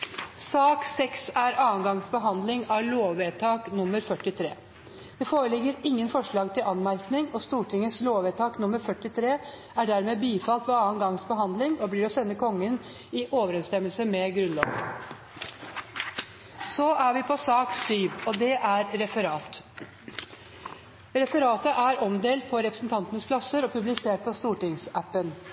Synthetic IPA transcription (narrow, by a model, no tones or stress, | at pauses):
sɑːksɛksæɾɑːənɡɑŋsbəɦɑnd̪lɪŋɑɭoːʋeːt̪ʰɑːknʊmːəɾfœʈːɪt̪ʰɾḛː | d̪̥ɛfoːɾəlɪɡːəɾɪŋːənfɔʂɭɑːɡt̪ʰɪlɑnmæɾknɪŋɔst̪uːʈʰɪŋːəsloːʋeːt̪ʰɑːknʊmːəɾfœʈːɪt̪ʰɾeː | æɖæɾmeːbiːfɑlt̪ʋɛɑːənɡɑŋsbəɦɑnd̪lɪŋɔbliːɾɔsɛnːəkʰɔŋːən | ɪʔoːʋəɾɛnst̪ɛmːəlsəmɛɡɾʉnlɑ̰ːʋ | sɔʔæʋɪpʰɔsɑːksyːʋɔd̪ɛʔæɾɾɛfəɾɑːt̪ | ɾɛfəɾɑːt̪əʔæɾɔmd̪eːlt̪̚pʰɔɾɛpɾəsn̩t̪ʰɑnt̪ənəspʰlɑsəɾɔpʰʉblɪseːʈ̚pʰɔst̪uːʈɪŋsæpːən